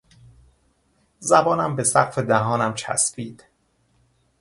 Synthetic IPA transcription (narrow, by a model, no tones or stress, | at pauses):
zæbɒːnæmbe̞sæqfe̞d̪æɦɒːnæmt͡ʃʰæ̰sfiːd̪̥